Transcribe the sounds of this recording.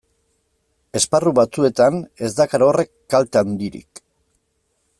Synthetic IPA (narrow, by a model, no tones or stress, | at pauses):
e̞sparuβat͡sue̞t̪ane̞zd̪akaɾaore̞kːalt̪and̪iɾḭk